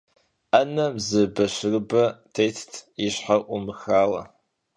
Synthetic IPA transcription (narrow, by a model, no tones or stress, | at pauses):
anɐmzɨbɐʃʷɨrbɐtʰejtʰtʰiʃħarʔʷumɨxaːlɐ̰